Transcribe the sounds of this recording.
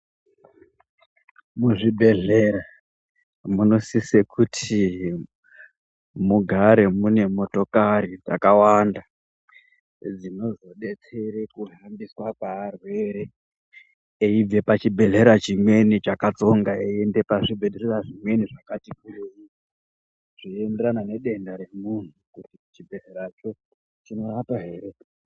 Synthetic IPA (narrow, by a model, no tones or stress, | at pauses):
muʐibʱe̞ɮera | muno̞sisekʰutʰi | muɡʱaɾe̞mune̞mo̞to̞kaɾid͡za̰kawanda | d͡zino̞zo̞ɗe̞t͡se̞ɾekuɦambiswakaːrwe̞ːɾe̞ | eib͡ve̞pat͡ʃibʱe̞ɮeɾat͡ʃimwe̞nit͡ʃakat͡so̞ŋɡaeende̞paʐibʱe̞ɗereraʐimwe̞niʐakatikureji | ʐ̥iende̞ɾanane̞ɗe̞ndaɾe̞mun̤ukutit͡ʃibʱe̞ɮe̞ɾat͡ʃo̞ | t͡ʃino̞ɾapaɦe̞ːɾe̞